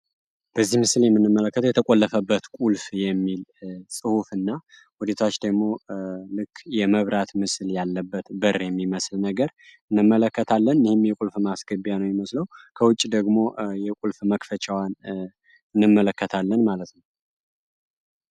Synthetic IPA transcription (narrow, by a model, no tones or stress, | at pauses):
b̥əzːihmɨsɨljɛmːɨnːɨmːələkːət̪ʰəwjɛt̪ʰəkʼolːəfəbːət̪kʼulfjɛmːilsʼɨhufɨnːa | wud̪et̪ʰat͡ʃːd̪əɡmo̞lɨkʰːjɛməβɾat̪mɨsljalːəbːət̪bɨɾjɛmːiməslnəɡəɾɨnːɨmːələkːət̪ʰalːənɪhɪmjɛkʼulfmasɡəbjanəwjɛməsləwkʰəwʊt͡ʃʼːid̪əɡmo̞jɛkʼulfməkfət͡ʃʰʼawan | ɨnːɨmːələkːət̪ʰalːənmalət̪nəw